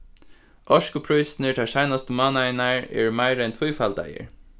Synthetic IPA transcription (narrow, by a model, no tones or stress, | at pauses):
ʔɔʃkʊpʰɹɔʏsnəʈʰæʃæɪnɑst̪əmɑːnæɪnæɹḛːɹmæɪɾɛnt̪ʰwuːfɑld̪æ̰ɪə̰ɹ